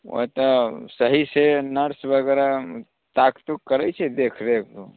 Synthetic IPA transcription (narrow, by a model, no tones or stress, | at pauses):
o̰ɦt̪ɔsəɦisenəɾsbəɡɛɾa | t̪akt̪ukːəɾɛt͡ʃʰɛd̪ekʰɾekd̪u